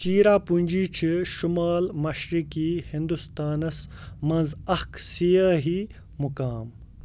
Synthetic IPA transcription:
t͡ʃiːɾaːpunʲd͡ʑiːt͡ʃʰiʃumaːlmɐʃɾikihind̪ust̪aːnɐsmɐnzɐhksijɐɦi | mukaːm

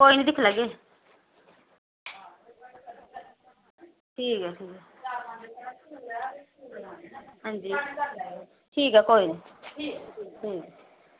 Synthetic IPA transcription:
koːinid̪ɪkʰləɡeː | ʈʰiːkɛʈʰiːkɦɛ | ɦãːnd͡ʒiː | ʈʰiːkɦɛkoːini | ʈʰiːkɛ

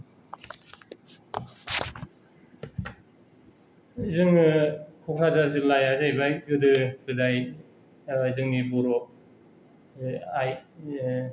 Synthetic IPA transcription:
zɯŋɯkʰɔkʰɾazazɯlajazajbajɡɯdɯɡɯdaj | zɯŋnibɔɾɔ | aj

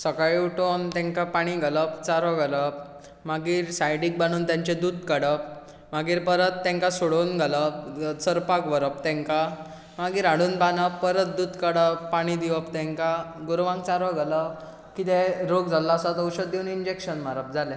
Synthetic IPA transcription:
səkaɭiuʈont̪ɛ̃ŋkapaɽ̃iɡələpt͡saɾɔɡələp | maɡiːɾsajɖik̚bañuːnt̪jaɲt͡ɕed̪uːd̪kəɽəp̚ | maɡiːɾpəɾət̪ːɛ̃ŋkasoɽonɡʱələp̚səɾpakʋəɾəp̚t̪ɛ̃ŋka | maɡiːɾaɽ̤uːnbanəpːəɾət̪̚d̪uːd̪kəɽəpːaɽ̃id̪iʋəpt̪ɛ̃ŋkaɡoɾʋãŋk̚t͡saɾɔɡələp̚ | kit̪ɛɾoɡd͡zʱalːaəsat̪əwɕəd̪euniɲd͡ʑekɕənmaɾəp̚d͡zʱalẽ

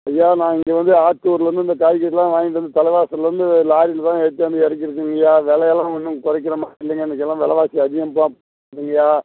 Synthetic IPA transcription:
ɐjːaːnãːɪŋɡeːʋɐnd̪ɯaːʈ̚ʈuːɾlɐɾɐnd̪ɯɪnd̪ɐkaːjkːɐʈːɪlːãːʋaːŋɡɪʈːɐnd̪ɯt̪ɐlɐɪʋaːsɐlɐɾɯnd̪ɯlaːɾɪlt̪ãːɛɽɯt̪ːɐʋɐnd̪ɯɛɾɯk̬ːɪɾɯk̬ːɯŋɡɐjaːʋɛlɐjɛlːãːʋɐnːɯŋkɔɾɐk̬ːɪɾɐmaːɪlːɐŋɡɐɛnːɯkːɛlːãːʋɛlɐʋaːsiɐðɪɣɐmpːaːpː | kːɯŋɡɐjaː

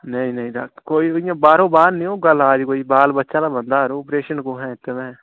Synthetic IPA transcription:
nəĩːnəĩːd̪a̰ːkkoːiːɪjãːbaːɾõːbaːɾnĩːoːɡəlaːd͡ʒkoːiːbaːlbətːʃãːd̪aːbənd̪aːɦɾõːɔpɾeːʃənkõːɦɛ̃ːt̪ːemɛ̃ː

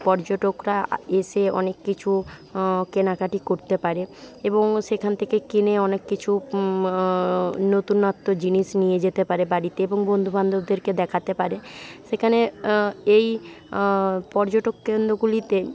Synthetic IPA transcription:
pɔɾd͡ʑoʈokɾaeʃeɔ̰nekːit͡ɕʰu | kenakaʈikoɾt̪epaɾeeboŋʃekʰant̪ʰekekineɔnekːit͡ɕʰu | not̪unat̪ːod͡ʑiniʃnijed͡ʑet̪epaɾebaɽit̪eeboŋbond̪ʱubʱand̪ʱobd̪eɾked̪ɛkʰat̪epaɾeʃekʰane | ej | pɔɾd͡ʑoʈokːend̪ɾoɡulit̪e

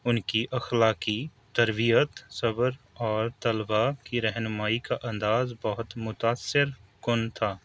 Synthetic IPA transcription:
ʊnkiʔɐxlaːki | t̪ɐɾbijət̪sɐbəɾ | ɔːɾt̪ɐlbakiɾɛɦnʊmaːikaʔɐ̃nd̪aːzbɐɦʊt̪mʊt̪aːsːɪɾkʊnt̪ʰaː

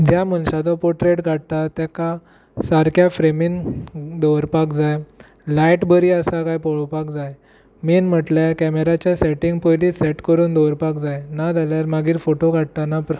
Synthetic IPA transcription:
d͡ʑjamənɕat̪ɔpoʈɾeʈɡʱaɽ̚t̪at̪jaka | saɾkʰjafɾemiːnd̪ɔʋɾpakd͡zaj | lajʈbəɾiːəsakajpɔɭpakd͡zaj | miːnm̤əʈlakɛmeɾat͡ɕjasɛʈĩŋɡpojliseʈkəɾuːnd̪ɔʋəɾpakd͡zajnad͡zʱaljaɾmaɡiːɾfoʈoɡʱaɽt̪anapɾ

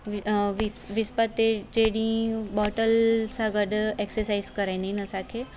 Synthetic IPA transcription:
ʋiʋispət̪ːed͡ʒeɽĩbɔʈəlsaɡəɖeksəɾsaizkəɾajninəsakʰe

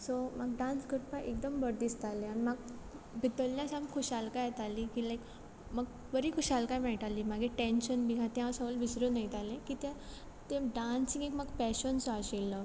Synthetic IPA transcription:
somaɡ̚ɖãnsɡʱəɾpaʔek̚d̪əmbəɽd̪ist̪alẽanimaɡbʱit̪əlːjãsãmkʰoɕalkajt̪aliːkilajk | məɡ | ʋəɾiːkʰoɕalkajmɛʈ̪aliːmaɡeʈẽnɕənbiɡãt̪jãʋsəʋəlbisɾunəjt̪alẽkiːt̪jã | t̪ẽɖansĩŋekmaɡpɛɕənsɔaɕelːə

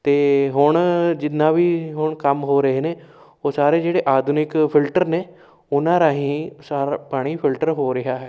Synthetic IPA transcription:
t̪eːɦʊɳd͡ʒɪnːãːʋiːɦʊɳkəmɦoːɾəɦeːneː | oːsaːɾeːd͡ʒeːɽeːʔaːd̪ʱʊnɪkpʰɪlʈəɾneː | ʊnãːɾaːɦĩːsaːɾapaːɽ̃iːpʰɪlʈəɾɦoːɾɪɦaːɦɛː

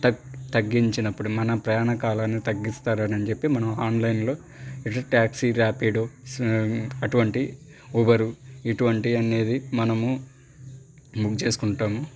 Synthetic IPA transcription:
t̪ɐt̪ɐɡːiɲt͡ʃinɐpːuɽumɐnɐpɾɐjaːnɐkaːlaːnːit̪ɐɡːist̪aːɾɐnɐnit͡ʃe̞pːimɐnɐmaːnlɐjnlo̞ː | iʈɐʈaːksiɾaːpiːɖo | ɐʈuʋɐɳʈi | ɔʋɐɾuiʈuʋɐɳʈiɐne̞ːd̪imɐnɐmu | mukt͡ʃe̞ːsu̥kuɳʈaːmu

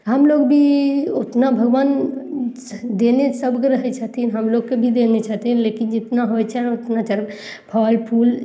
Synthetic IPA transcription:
ɦəmloːɡbʱiot̪nabʱəɡʋaːn | d̪eːnesəbkeɾəɦɛt͡ʃʰaɦt̪inɦəmloːɡkebʱid̪enet͡ʃʰat̪inlekɪnd͡ʒɪt̪naɦojt͡ʃʰɛnot̪nat͡ʃəɾ | pʰɔːlpʰuːl

